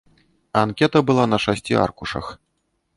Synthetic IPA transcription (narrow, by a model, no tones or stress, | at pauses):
ankʲɛt̪ɐbɨlˠanɐʂasʲt͡sʲḭa̰rkuʂɐ̰x